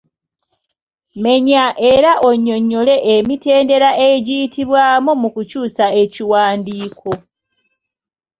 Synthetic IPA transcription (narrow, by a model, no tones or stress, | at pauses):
me̞ɲaʔe̞ɾaʔo̞ɲːo̞ɲːo̞le̞ʔemite̞ːnde̞ɾaʔeɟijitʰiβwaːmomukucuːsae̞ciwaːndiːkʰo̞